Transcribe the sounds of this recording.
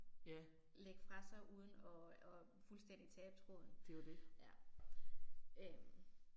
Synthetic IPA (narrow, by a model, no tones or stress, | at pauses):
jæ | leɡ̥fʁɑ̈sɑ̈ɪʔuːð̞ˠn̩ɒ̽ɒ | fulsd̥en̰d̥it͡sʰɛːb̥ət͡sʰʁoðˠn̩d̥ed̥ejæ | øm